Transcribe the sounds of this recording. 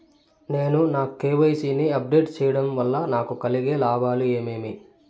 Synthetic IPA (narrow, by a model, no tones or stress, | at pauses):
ne̞ːnunaːkukeːʋɐjsiːniɐp̚ɖeːʈt͡ʃɛːjɐɽɐmʋɐlːɐnaːkukɐliɡeːlaːbaːlueːmeːmi